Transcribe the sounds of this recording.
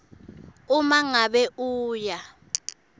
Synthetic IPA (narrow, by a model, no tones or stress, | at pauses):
umaŋaɓɛʔuːja